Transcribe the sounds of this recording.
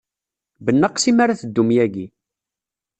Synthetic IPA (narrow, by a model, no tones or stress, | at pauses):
bənːəqsimaɾaθəd̪ːumjæɡi